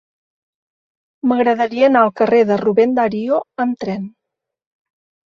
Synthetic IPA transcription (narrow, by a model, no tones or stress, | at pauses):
məɣɾəðəɾiəːnaəlˠkəreðəruβɛnd̪aɾioəmt̪ɾɛn